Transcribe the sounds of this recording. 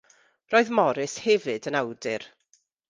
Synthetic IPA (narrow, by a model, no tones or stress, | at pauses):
roːɨðmɔɾɪshɛvɨdənawdɪr